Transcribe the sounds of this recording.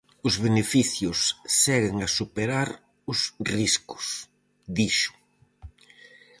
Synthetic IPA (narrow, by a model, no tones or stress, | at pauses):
ʊzβ̞enefiθjʊsːɛɣeŋasupeɾaɾ | ʊsriskʊ̥s | ðiʃʊ̥